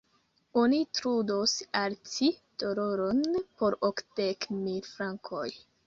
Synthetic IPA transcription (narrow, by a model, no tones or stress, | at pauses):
onitɾudosaɾtid̥oɾo̞ɾo̞npo̞ɾokd̥ekmilfɾaŋkʰo̰j